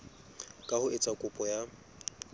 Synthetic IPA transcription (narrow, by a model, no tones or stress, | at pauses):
kʼahʊʔɪt͡sʼakʼʊpʼɔja